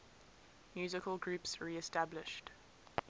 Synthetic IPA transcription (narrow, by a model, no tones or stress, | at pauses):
mjʉːzɪkəlˠɡɹʉˑpsɹiːɛstablɪʃt